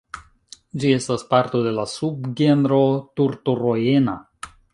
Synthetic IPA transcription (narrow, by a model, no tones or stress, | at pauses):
d͡ʒie̞staspaɾt̪o̞de̞lasubɡenɾo̞t̪uɾtuɾoje̞na̰